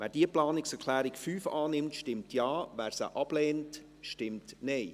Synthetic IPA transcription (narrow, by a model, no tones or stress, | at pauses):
ʋɛːdiəplɑːnɪksɛɾkʰlæːɾɪkfyːfɑːnɪmtʃtɪmtʰjɑːʋæːɾsə̰ʔɑb̥lɛːnt | ʃtɪmtnɛɪ